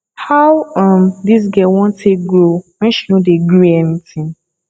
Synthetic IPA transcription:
hawãmdis̬ɡɛwɔ̃ntʰeɡɹomɛ̃nʃinodeɡoɛnitĩn

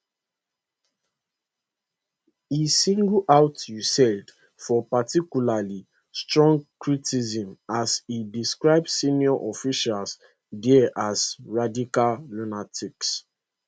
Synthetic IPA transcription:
isĩŋɡuʔawtjusɛld | fɔpatikjulali | stɹɔ̃ŋɡkɹitizĩmasidiskɹaɪbssinjɔʔɔfiʃals | dɛʔazɹadikallunatʰiks

